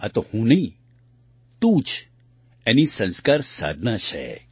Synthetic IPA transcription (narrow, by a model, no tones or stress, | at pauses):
ɐt̪ohũːnɐĩ | t̪ũːt͡ʃ | ɛnisə̃nskaːɾsa̰ːd̪ʱnat͡ʃʰɛ̰